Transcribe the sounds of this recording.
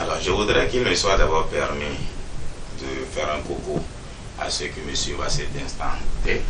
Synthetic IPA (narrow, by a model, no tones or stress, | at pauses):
alɔɾʒeɡudɾɛkilmesiwadabɔpɛɾmi | dəfɛɾɛ̃koko | a̰sekəmesibasedɛ̃st̪ã̰tɛ